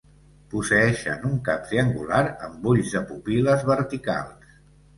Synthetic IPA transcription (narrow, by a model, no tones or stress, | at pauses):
pusəɛʃə̰nuŋkap̚t̪ɾiəŋɡulaɾəmbuʎzðəpupiləzβəɾt̪ika̰lˠs